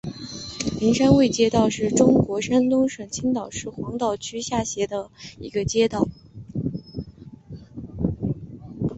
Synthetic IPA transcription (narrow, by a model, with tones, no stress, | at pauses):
li˧˥ŋʂa˥nwe˥˩ɪt͡ɕjɛ˥t̪ɑ˥˧ʊʂɻ̩˥˩ʈ͡ʂʊ˥ŋkwɔ˧˥ʂa˥nt̪ʊ˥ŋʂɤ˨˩ŋt͡ɕʰi˥nt̪ɑ˨˩ʊʂɻ̩˥˩xwɑ˧˥ŋt̪ɑ˥˩ʊt͡ɕʰy˥ɕja˥˩ɕjɛ˧˥d̪ə˧ḭ˧˥ɡə˧t͡ɕjɛ˥t̪ɑ˥˩ʊ